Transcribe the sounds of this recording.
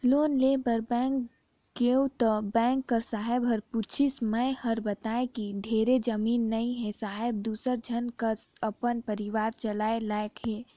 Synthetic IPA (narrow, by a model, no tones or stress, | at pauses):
loːnleːbəɾbɛ̃ːŋk | ɡewt̪əbɛ̃ːŋkːəɾsaːɦebɦəɾput͡ʃʰisməehəɾbət̪aːekid̪ʱeːɾed͡ʒəmiːnːəĩɦɛsaːɦeb̚d̪uːsəɾd͡ʒʱənkəsəpənpəɾɪʋaːɾt͡ʃəlaːelaːekɦeː